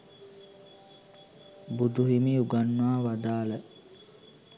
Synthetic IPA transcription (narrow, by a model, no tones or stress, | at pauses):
bud̪uɦimiuɡanːuaːʋad̪aːlə